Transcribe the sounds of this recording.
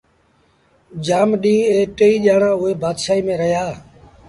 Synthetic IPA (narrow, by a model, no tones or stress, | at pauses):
d͡ʒaːmɗĩːeːʈeːiːʄaːɳãːʊɦeːbaːd̪ʃaːiːmẽːɾəɦjaː